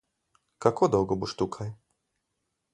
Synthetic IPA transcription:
kakɔd̪awɡɔbuʂt̪ukʰaj

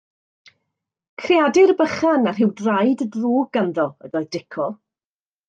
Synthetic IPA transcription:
kʰriadɪrbəχanar̥ɦɪwdrajddroːɡanðɔə̰ðɔɨdɪkʰɔ

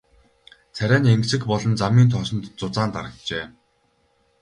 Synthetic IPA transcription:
t͡sʰæɾʲæːneŋksɘ̆kpɔɮɞ̆nt͡samiːnt̪ʰɔsɞ̆nt̪t͡sʊt͡saːnt̪a̰ɾə̆k̚t͡ɕeː

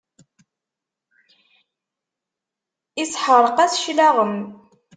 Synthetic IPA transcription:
ɪsħəɾˤəqæsʃlaʁəm

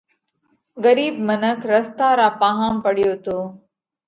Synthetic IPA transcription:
ɡəɾiːb̚mənəkʰɾəst̪aːɾaːpaːɦaːmpəɽɪjoːt̪oː

